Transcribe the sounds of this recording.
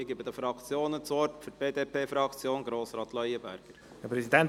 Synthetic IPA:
ɪɡybəd̪əfɾɑkt͡sjoːnət͡suɔɾtfyɾt̚b̥eːd̪eːpʰeːfɾɑkt͡sjoːnɡɾoːsɾɑːt̪lœʏəbæɾɡ̥əɾ | ɛpʰɾɛsid̪ɛn

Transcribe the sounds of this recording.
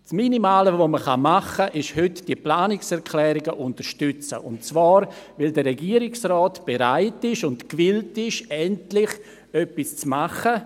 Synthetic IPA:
sminimaːləvoməχa̰maχəʔɪʃhʏtd̥iəplaːnɪksɛɾkʰlɛːɾɪɡəʔʊntəɾʃtʏt͡sə̰ʔʊntt͡svaːɾvɪldərːɛɡiːəɾɪksrɔːtb̥eɾaɪtɪʃʊntkvɪltɪʃɛntlɪχ | œpist͡smaχə

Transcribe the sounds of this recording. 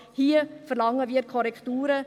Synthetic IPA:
hiːəfəɾlɑŋəʋiːkʰɔɾɛktuːɾə

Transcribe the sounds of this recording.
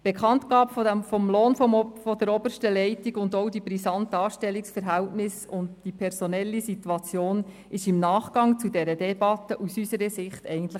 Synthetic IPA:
b̥ekχɑntɡɑːpffɔmloːnfɔdəɾɔbərʃtəlɛɪtiɡʊndɔwdibɾisɑntɑːʃtɛlːiksfəɾɦæwtnɪsʊndd̥ipʰɛɾsɔnɛlːisituɑt͡sjoːn | ɪʃɪmnɑːχɡ̥ɑŋt͡sudɛɾədɛbɑt̪ːəʔusysəɾəsɪχtɛɪɡən̩t̪lə

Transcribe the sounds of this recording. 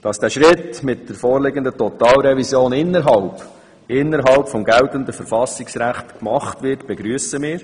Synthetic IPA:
d̥ɑsd̥æːʃɾɪtmɪtd̥əɾfoːɾlɪɡəndətɔt̪ɑːlɾɛvisjoːnɪnːəɾɦɑlp | ɪnːəɾɦɑlpfɔmɡɛlt̪əndəfəɾfɑsɪksɾæχt̪kmɑχtʋɪrtb̥ɛɡɾyəsəmɪːɾ

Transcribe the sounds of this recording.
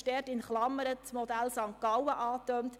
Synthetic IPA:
d̥ɛːrtɪnχlɑmːəɾət͡smɔd̪ælsɑŋkɑwəʔɑːtœnt

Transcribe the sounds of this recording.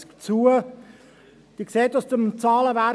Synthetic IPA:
kt͡suə | d̥iəkseːtʊsd̥əmt͡sɑːləvæ

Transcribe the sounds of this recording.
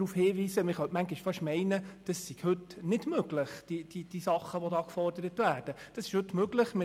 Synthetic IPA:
ɾufhɪːʋiːsəmɪχœtmæŋɡɪʃfɑʃmɛɪnəd̥ɑsːiɡ̥hɵtnɪd̥møɡlɪχd̥id̥id̥isɑχəʋodɑːkfɔrdəɾətvæːɾd̥əd̥ɑsɪ̥ʃhɵtmøɡlɪχmɪ

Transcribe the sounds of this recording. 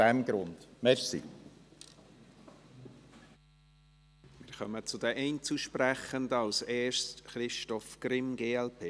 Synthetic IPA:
ɛmɡ̥ɾʊnd̪̥mɛɾsḭ | mɪːɾχœ̰mət͡sʊd̥ɛʔɛɪnt͡suʃpræχəndəɑlsɛːʃtχɾɪʃtɔfkrɪmɡeːɛlpʰeː

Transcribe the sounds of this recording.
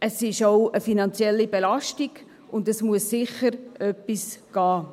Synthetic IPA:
əsɪʃoʊəfinɑnt͡sjɛlːibelɑʃtiɡ̥ | ʊndəsmuəsːɪχəɾʔœpːisɡ̥ɑː

